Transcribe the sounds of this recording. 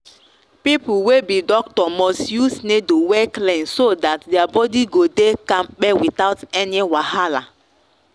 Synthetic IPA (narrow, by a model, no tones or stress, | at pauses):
pipuwebidɔk̚tɔmɔstjusnedowɛklẽnsodatdɛabɔdiɡodekãmɓɛwitaʊtɛniwahala